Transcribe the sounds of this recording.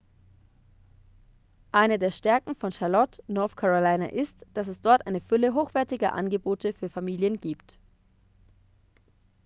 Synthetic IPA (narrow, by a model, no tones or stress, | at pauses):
ʔaɪnədeːɐʃtɛɐkŋ̩fɔnʃalɔtnɔɐθkʰaʁolaɪna̰ʔɪstd̥as̬ɛsd̥ɔɐtʔaɪnəfʏləɦoːxv̥ɛɐtɪɡɐ̰ʔa̰nɡəboːtəfyːɐfamiːljənɡiːpt